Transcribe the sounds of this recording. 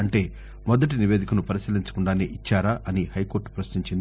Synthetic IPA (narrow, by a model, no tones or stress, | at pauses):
ɐɳʈe̞ː | mɔd̪ɐʈ̬iniʋe̞ːd̪ʱikɐnupɐɾisiːliɲt͡ʃɐ̥kuɳɖaːneːʔit͡ʃːaːɾaːʔɐnihɐjko̞ːɾʈu̥pɾɐʃniɲt͡ʃind̪i